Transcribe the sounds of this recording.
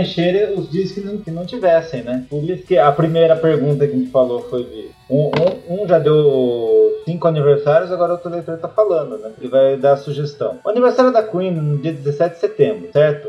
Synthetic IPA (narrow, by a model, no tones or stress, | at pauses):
ẽʃeɾẽʊzd͡ʒiɐskɪnɐ̃kɪnɐ̃w̃t͡ʃivɛsẽj̃nɛʊd͡ʒiskɪɐpɾimejɾɐpeɾɡũt̪̬ɐkɪʒẽt͡ʃɪfalofojd͡ʒɪ̰ | ũũũʒad̪ew | sĩŋkʊaniveɾsaɾjʊzaɡɔɾɐot̪ɾelejt̪oɾt̪afalɐ̃nd̪ʊnɛelɪvajd̪aɐsuʒest̪ɐ̰̃w̃ʊaniveɾsaɾjʊd̪akwĩnnʊd͡ʒiɐd̪ɪzesɛt͡ʃɪd̪ɪ̥set̪ẽmbɾʊsɛɾt̪ʊ